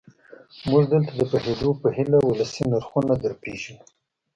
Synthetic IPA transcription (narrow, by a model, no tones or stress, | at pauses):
muʐd̪əlt̪ad̪əpəhed̪opəhɪlawʊləsinaɾxunad̪əɾpeʒu